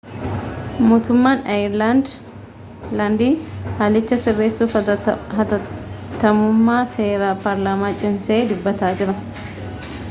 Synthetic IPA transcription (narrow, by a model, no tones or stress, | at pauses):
moːt̪ʊmːaːnɐjɪɾland̪ | land̪iːhaːlɪt͡ʃːɐsɪrːeːsːuːfɐɐt̪ːɐmʊmːaːse̞ːɾaːpaɾlaːmaːt͡ʃʼɪmse̞ːd̪ʊbːɐt̪aːd͡ʒɪɾɐ